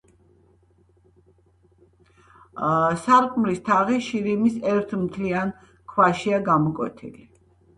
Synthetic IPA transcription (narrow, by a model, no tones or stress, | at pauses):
saɾkʼmɾist̪ʰaʁiʃiɾimisɛɾt̪ʰmt̪ʰlian | kʰwaʃiaɡamɔkʼwɛ̰t̪ʰḭli